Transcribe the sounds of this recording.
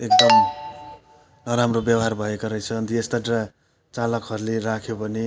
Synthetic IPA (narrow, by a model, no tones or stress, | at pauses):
ek̚d̪ʌm | nʌɾamrobjabɦarbʱʌekʌɾʌjt͡sʰʌnt̪iest̪ʌʈra | t͡salʌkɦʌɾulerakʰjobʌni